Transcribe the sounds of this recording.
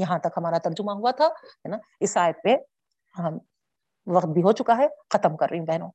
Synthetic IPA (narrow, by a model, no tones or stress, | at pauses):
jɐɦãt̪ɐkɦɐmaːɾat̪ɐɾd͡ʒʊmaɦuat̪ʰaɦɛnaɪsaːjət̪̚pe | ɦɐm | ʋɐqt̪̚bʱiɦot͡ʃʊkaɦɛxɐt̪əmkɐɾːɐɦiɦĩbɛɦnõː